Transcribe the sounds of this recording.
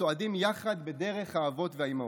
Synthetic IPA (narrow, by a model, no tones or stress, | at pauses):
oadimjaχad̪be̞de̞ʁe̞χhaːvo̞tveaima